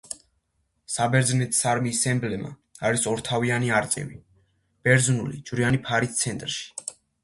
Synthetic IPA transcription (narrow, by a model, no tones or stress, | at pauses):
sabɛɾd̪znɛt̪ʰsaɾmiːsɛmblɛma̰aɾisɔɾt̪ʰavianiaɾt̪sʼɛ̰vi | b̥ɛɾd̪znulḭd͡ʒvɾianipʰaɾist̪sʰɛnt̪ʼɾʃi̥